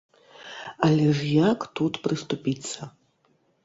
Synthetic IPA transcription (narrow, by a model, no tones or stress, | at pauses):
ɐlʲɛʐjakt̪ut̪pɾɨst̪upʲit̪sːɐ